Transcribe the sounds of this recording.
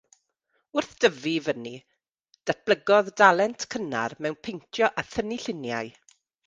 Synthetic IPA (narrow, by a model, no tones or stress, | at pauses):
ʊrθd̥əvivəni | d̥at̚b̥ləɡɔðdalˠɛntʰkʰəna̰rmɛwnpʰejntʰjɔʔaθəniɬɪnjaɨ